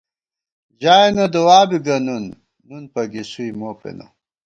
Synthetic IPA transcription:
ʑaːenɐd̪ɐwaːbiɡɐnunː | unpɐɡisujmoːpḛnɐ̰

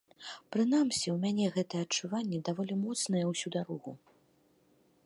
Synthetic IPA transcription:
pɾɨn̪amsʲiwmʲanʲɛɣɛt̪ɐjɛɐt͡ʂːuvanʲːɛd̪avɔlʲimɔt̪snɐjɛwsʲud̪aɾɔɣu

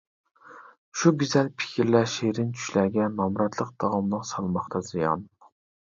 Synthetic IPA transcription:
ʃuɡʲyzɛlpʰi̥kʲʰiɾlæʃeɾɪnt͡ʃʰy̥ʃlæɡʲɛnɑmɾɑt̪ʰlˠəq̚d̪̥ɑʁɑmnɨŋsɑlˠmɑχt̪ʰɑzijɑ̰n

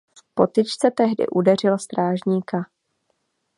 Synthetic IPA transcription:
po̞t̪ɪt͡ʃt͡sɛt̪ɛɦdɪ̰ʔudɛrɪlost̪ɾaːʒɲiːka

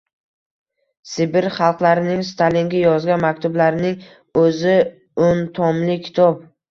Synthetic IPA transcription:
sɪbɪɾχɑlˠqlˠaɾɪnɪŋst̪ʰalɪŋɡʲajɒzɡʲanmakʲt̪ʰʊblaɾɪnɪŋ | ɵzɪ | ʊnt̪ʰɒmlɪkʲʰɪ̥t̪ʰɒp̚

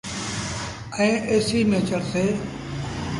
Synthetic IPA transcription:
ɛ̃ːʔeːsiːmeːt͡ʃəɾseː

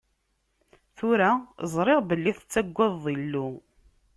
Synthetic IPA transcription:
θʊɾazˤɾˤɪʁbəlːiθət͡sːæɡʷːæðːilːu

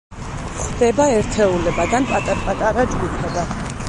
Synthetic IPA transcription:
χd̪ɛbaɛɾt̪ʰɛulɛbad̪anpʼat̪ʼapʼat̪ʼaɾad͡ʒɡupʰɛba

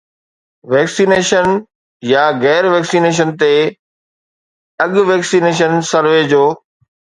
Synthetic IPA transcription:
ʋɛːksiːneːʃən | jaɣɛːɾʋɛːksiːneːʃ̬ənt̪e | ɐɠʋeːksiːneːʃ̬ənsɐɾʋed͡ʑoː

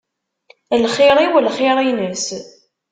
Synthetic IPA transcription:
lχɪɾˤiwəlχɪɾˤinəs

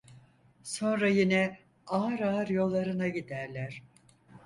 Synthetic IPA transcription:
so̞nɾajinɛ | aːɾaːɾjo̞lˠːaɾɯnaɟid̪æɾlʲæɾ̥

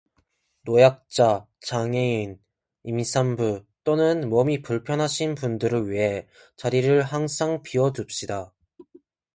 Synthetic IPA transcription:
nojak̚t͡ɕ͈a | t͡ɕaŋein | imisʰambu | t͈onɯnmʌmipuɭpʰjʌnɦaɕʰinpundɯɾɯɭɥiɦe̞ | t͡ɕaɾiɾɯɭɦaŋsʰaŋpiʌdup̚ɕ͈ida

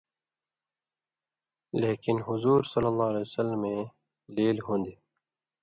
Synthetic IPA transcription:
leːkɪnɦʊzuːɾsʌlːəlˤːɑːlesəlmẽ | leːlɦõːnd̪iː

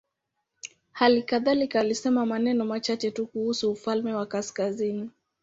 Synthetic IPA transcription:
halikaðalikaːlisɛmamanɛnɔmat͡ʃat͡ʃɛtukuhusuːfalmɛwakaskazini

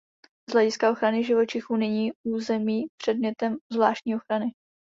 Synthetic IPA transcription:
z̥lɛɟɪskaʔo̞xɾanɪʒɪvo̞t͡ʃɪxuːnɛɲiːʔuːzɛmiːpr̝̥ɛdmɲɛt̪ɛmzvlaːʃtɲiːo̞xɾanɪ

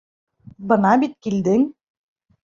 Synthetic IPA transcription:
bɤ̆nɑbit̪̚kild̪ɘŋ

